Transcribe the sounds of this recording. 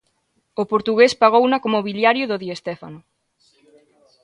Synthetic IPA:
opoɾt̪uɣespaɣ̞ownakomoβiljaɾjʊðoðiest̪ɛfa̰nʊ

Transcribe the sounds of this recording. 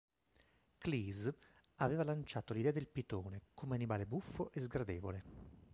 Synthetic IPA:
kliːz | aveːvalant͡ʃaːt̪olid̪ɛːad̪elpit̪oːnekomeanibaːlebufːoʔezɡɾad̪eːvole

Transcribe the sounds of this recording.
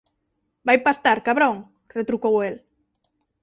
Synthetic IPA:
bajpast̪aɾkaβɾõŋ | ret̪ɾukowel

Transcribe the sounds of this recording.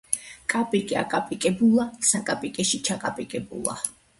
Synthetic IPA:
kʼapʼikʼia̰kʼapʼikʼɛbulˠasakʼapʼikʼɛʃit͡ʃʰakʼapʼikʼɛbṵlˠa̰

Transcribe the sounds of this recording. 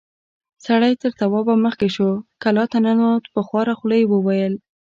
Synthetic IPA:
saɽajt̪əɾt̪awɑbaməxkeʃokalɑt̪ananot̪pəxwɑɾaxləjwəwajəl

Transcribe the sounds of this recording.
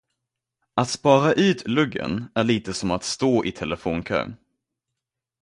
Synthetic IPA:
at̪spɑːɾaʔʉ̟ːt̪ʰlɵɡːə̰næɭiːt̪əsɔmat̪st̪oːʔɪt̪ʰɛləfoːnkʰø̰ːn

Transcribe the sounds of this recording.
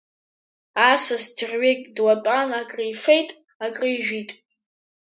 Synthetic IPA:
asɨsdrʲɥekʲʼdwatʷʼanakʼrijfejtʼ | akʼrɨjʒᶣitʼ

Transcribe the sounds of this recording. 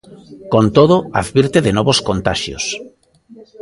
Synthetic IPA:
kont̪oðoa̰ðβiɾt̪eðenɔβoskont̪aʃjo̰s

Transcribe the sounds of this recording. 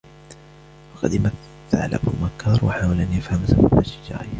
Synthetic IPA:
fɑqɑd̪maθː | a̰ʕa̰lʔa̰bʊ̰makːɑːɾˤwaħaːwalʔanʔafhamsa̰hʔaʃɪd͡ʒa̰ːʔ

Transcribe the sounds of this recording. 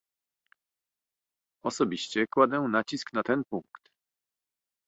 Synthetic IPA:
ɔsɔbʲiɕt͡ɕɛkwad̪ɛ̃nat͡ɕisknat̪ɛnpuŋkt̪

